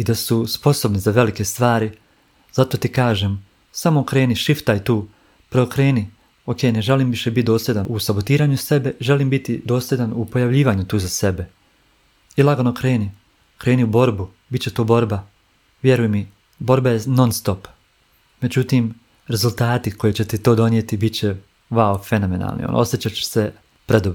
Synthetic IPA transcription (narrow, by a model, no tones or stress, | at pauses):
id̪asuspo̞so̞bnizaʋe̞like̞st̪ʋaːɾi | z̥at̪o̞ːt̪ikaːʒe̞m | samo̞kɾe̞ːniʃift̪ajt̪uː | pɾeokɾeːni | oke̞jne̞ʒeliːmʋiʃebit̪̚d̪o̞ːsed̪anusabo̞t̪iːɾaːɲuse̞be̞ʒe̞liːmbit̪id̪o̞ːsled̪anupo̞jaʋʎiːʋaːɲut̪uːzase̞be̞ | ilˠaɡonokɾe̞ːni | kɾe̞ːniubo̞ɾbu | bitt͡ɕet̪oːbo̞ɾba | ʋjeɾujemi | bo̞ɾbajeno̞nst̪o̞p | me̞d͡ʑut̪im | ɾe̞zulˠt̪aːt̪iko̞jit͡ɕe̞t̪et̪o̞ːd̪o̞nijet̪ibit͡ɕe | ʋaofe̞no̞me̞na̰lˠnḭo̰n̰o̞̰sjet͡ɕat͡ɕe̥se | pɾed̪obɾ